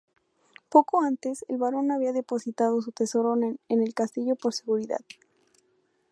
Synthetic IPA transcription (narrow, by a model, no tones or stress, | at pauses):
po̞ko̞ant̪e̞sḛlβaɾo̞naβiaðe̞po̞sit̪að̞o̞s̬ut̪e̞so̞ɾo̞naene̞lkast̪iʝo̞po̞ɾse̞ɣuɾiða̰ð